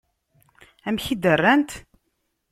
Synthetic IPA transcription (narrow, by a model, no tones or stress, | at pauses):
æmçid̪ərːænt̪